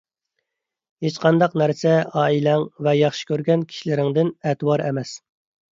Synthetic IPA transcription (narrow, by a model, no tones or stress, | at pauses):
het͡ʃqʰɑnd̪ɑqnæɾsɛɑːilɛŋvɛjɑχʃi̥kʲʰøɾɡʲɛnkʲʰi̥ʃilɪɾɪŋd̪ɪnɛt̪ʰwɑɾɛmɛs